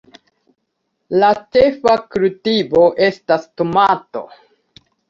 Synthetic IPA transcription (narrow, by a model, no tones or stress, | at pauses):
lat͡ʃe̞fakuɾutibo̞ʔe̞stastomato̞̰